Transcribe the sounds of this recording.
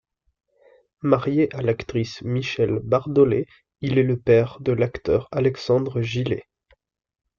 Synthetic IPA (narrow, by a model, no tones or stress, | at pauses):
maʁjeʔalakt̪χismiʃɛlbaʁd̪ɔle | ilɛləpɛʁd̪əlakt̪œʁalɛksɑ̃d̪ʁəʒile